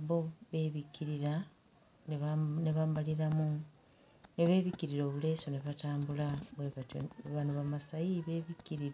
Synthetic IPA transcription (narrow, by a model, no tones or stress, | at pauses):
βoβe̞ːβikʰːiɾiɾa | neβaːmbaliɾamu | ne̞βe̞ːβikiɾiɾo̞ːβule̞ːso̞ne̞βataːmbulaβweβato̰βanuβamasajiβe̞ːβikːiɾiɾ